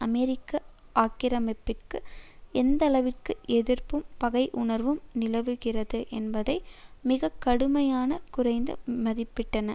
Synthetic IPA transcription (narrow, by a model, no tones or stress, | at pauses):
ɐmɛɾɪkːɐʔaːkɪɾɐmɐpːɪrkɯɛnd̪ɐlɐʋɪrkɯʔɛðɪrpɯmpɐɣɐɪʔʊɳɐɾʋɯmnɪlɐʋɯɣɪrɐðɯʔɛnbɐðɐɪmɪɣɐkːɐɽɯmɐjaːnɐkʊrɐɪnd̪ɯ̰mɐðɪpːɪʈːɐnɐ